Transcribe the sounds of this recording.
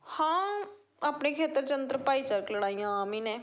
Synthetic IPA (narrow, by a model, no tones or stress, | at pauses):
hãː | aːpneːkʰeːt̪əɾt͡ʃənd̪ɾəpaːiːt͡ʃəɾkləɽaːijãːaːmĩːnẽː